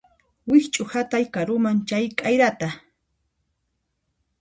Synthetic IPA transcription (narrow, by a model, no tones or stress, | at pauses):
wɪxt͡ʃʼʊhat̪ajkaɾʊmant͡ʃajkʼajɾat̪a